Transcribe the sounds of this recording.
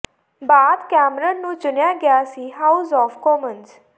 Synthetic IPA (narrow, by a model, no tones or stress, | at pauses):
bad̪kamɾənːũt͡ʃənjaɡjasiɦawzɔfkɔməns